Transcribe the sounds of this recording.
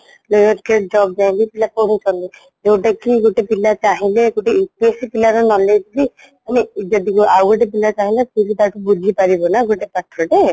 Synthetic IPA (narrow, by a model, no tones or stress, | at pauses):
lojɔɾked͡ʒɔb̚d͡ʒaĩnt̪ipilapɔɽ̃ut͡ʃʰɔnt̪i | ewʈakiɡoʈepilat͡ʃaɦileɡoʈeipiesipilaɾɔnɔlet̪ili | anid͡ʒɔd̪ikuʔawɡoʈepilat͡ʃaɦĩlepuɾit̪aʈubud͡ʒʱipaɾibɔnaɡoʈepaʈʰɾɔʈe